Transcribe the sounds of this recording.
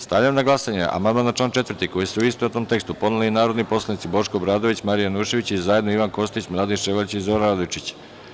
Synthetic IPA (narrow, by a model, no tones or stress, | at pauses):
st̪aʋlʎamnaɡlˠasaɲeʔa̰mand̪manːat͡ʃlaːnt͡ʃe̞t̪vrt̪iko̞jisuuist̪oot̪omt̪e̞kst̪upo̞d̪uliinaːɾo̞d̪nipo̞slˠanit̪sibo̞ʃkobɾaːd̪o̞ʋit͡ɕmaɾijanuːʃe̞ʋit͡ɕizaje̞d̪no̞iʋanko̞st̪it͡ɕmlˠaːd̪inʃeʋalt͡ɕizoɾaɾad̪ot͡ʃit͡ɕ